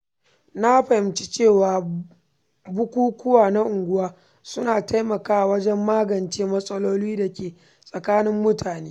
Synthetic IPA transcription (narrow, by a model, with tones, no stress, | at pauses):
na˦ɸɐ˨hɪ˨mt͡ʃi̥˦t͡ʃeː˦˨waː˨ | bʊ˦kʷuː˦kʷʊ˦waː˨na˦ʔʊ˨ŋɡʷʊ˦waː˦ | sʊ˦naː˨ta˦jmɐ˨kaː˦˨wɐ˦d͡ʒɛ˦mːaː˦ɡɐ˨nt͡ʃeː˦mɐ˦sʼɐ˦loː˦liː˦da˨kʲeː˨ | sʼɐ˨kaː˦nɪ˦mːʊ˦tʰaː˨neː˦